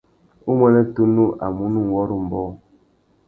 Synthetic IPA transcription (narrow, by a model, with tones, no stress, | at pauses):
u˦mɛ˦nɛ˦tu˦nu˦ʔa̰˨mu˦nu˦˨wɔ˦ɾu˦m̩˨bɔ˦